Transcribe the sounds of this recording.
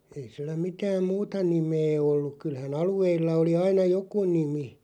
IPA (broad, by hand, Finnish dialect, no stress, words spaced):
ei silːæ mitæːm muːtɑ nimeː olːuk̆ kylhæn ɑlueilːɑ oli ɑinɑ joku nimi